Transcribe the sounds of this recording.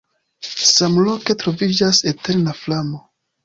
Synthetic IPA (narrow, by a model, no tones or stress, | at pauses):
samlo̞ke̞tɾo̞vid͡ʒasete̞ɾnaflamo̞